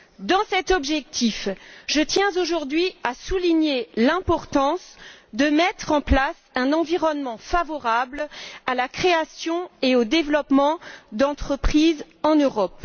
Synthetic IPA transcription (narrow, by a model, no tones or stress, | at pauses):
d̪ɑ̃sɛt̪ɔbʒɛk̚t̪ʰifʒət̪jɛ̃zoʒuʁd̪ɥiasuliɲelɛ̃pɔʁt̪ɑ̃sd̪əmɛt̪χɑ̃plasɛ̃nɑ̃viʁɔnmɑ̃favɔʁablalakχeasjɔ̃eod̪evlɔpmɑ̃d̪ɑ̃t̪χəpχiz | ɑ̃nøʁɔp